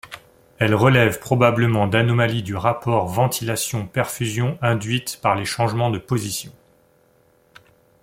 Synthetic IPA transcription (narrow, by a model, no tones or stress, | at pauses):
ɛlʁəlɛvpχɔbabləmɑ̃d̪anɔmalid̪yʁapɔʁvɑ̃t̪ʰilasjɔ̃pɛʁfyzjɔ̃ʔɛ̃d̪ɥit̪paʁleʃɑ̃ʒmɑ̃d̪əpozisjɔ̃